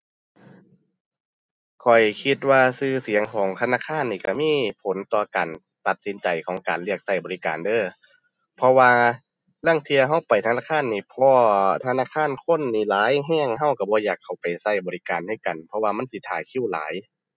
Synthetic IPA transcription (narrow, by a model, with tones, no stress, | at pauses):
kʰɔ˨˩jkʰi˧t̪̚waː˧sɯː˧si˨˦əŋkʰɔː˨˦ŋt̪ʰa˧naː˧˥˨kʰaː˧˥˨nːiː˧˩ka˧˩miː˧˥˨pʰo˨˦nt̪ɔː˧˩kaː˨n | t̪a˧˦t̪̚si˨˦nt͡ɕa˨˩jkʰɔː˨˦ŋkaː˨˩nli˧˥˩ək̚sa˧˩jbɔː˨li˧kaː˨ndɤː˧˩˨ | pʰɔ˧waː˧ | la˧˥˨ŋt̪ʰi˧ɐ˧ɦa˧˥˩wpa˨˩jt̪ʰa˧naː˧˥˨kʰaː˧˥˨nːiː˧˩pʰɔː˧t̪ʰa˧naː˧˥˨kʰaː˧˥˨nkʰo˧˥˨nːiː˧˩laː˨˦jɦɛː˧˥˩ŋɦa˧˥˩wka˧˩bɔː˧˦jaː˧˩kʰːa˧˩wpa˨˩jsa˧˩jbɔː˨li˧kaː˨nha˧˥˩ka˨˩npʰɔ˧waː˧ma˧˥˨nsi˧˦t̪ʰaː˨˩kʰi˧˥˨wla̰ː˨˦j